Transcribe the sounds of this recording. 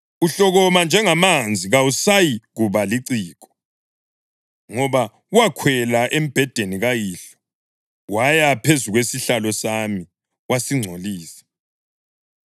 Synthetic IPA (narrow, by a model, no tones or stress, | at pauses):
uɬɔɣɔmand͡ʒʱɛŋamand͡zʱiɣausajiɣuβaliǀiːkʰɔ̥ | ŋɔβa | uwakʰwɛlaʔem̩b̥ʱɛd̥ʱeniɣajiɬɔ̥ | wajapʰezuɣwesiɬalɔsami | wasiŋ͡ǀʱoliːsɛ̥